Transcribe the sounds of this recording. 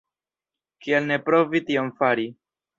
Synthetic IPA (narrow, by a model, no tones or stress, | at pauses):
kielne̞pɾo̞vitio̞mfaɾi